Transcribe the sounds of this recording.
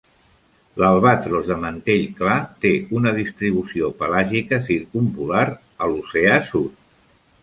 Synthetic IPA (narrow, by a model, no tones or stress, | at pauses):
ləlˠβ̞at̪ɾozðəmənt̪eʎklat̪eunəð̞ist̪ɾiβ̞usiopəlaʒikəsiɾkumpulaɾ | əluseasut̪̚